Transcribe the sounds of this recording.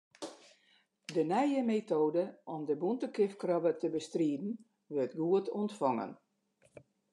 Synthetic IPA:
dənɛjəmetoːdəɔmdəbuntəkɪfkrɔbətəbəstriədn̩ | ʋørtɡuətʰɔntfɔŋə̰n

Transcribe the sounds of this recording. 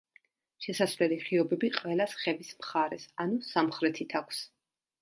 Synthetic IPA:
ʃɛsasvlɛliχiɔbɛbiqʼwɛlasχɛvismχaɾɛsanusamχɾɛt̪ʰit̪ʰakʷʰs

